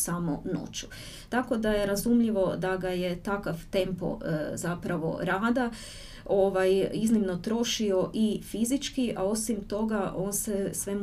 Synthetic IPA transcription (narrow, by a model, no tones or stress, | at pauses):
samo̰no̞̰t͡ɕu̥ | t̪ako̞d̪ajeɾazumʎiʋo̞d̪aɡajet̪akaʋt̪e̞mpo̰zapɾaʋo̞̰ɾaːd̪a | oʋajiznimno̞t̪ɾo̞ʃio̞ʔifizit͡ʃkiʔao̞simt̪o̞ɡaʔo̞ːnsesʋe̞m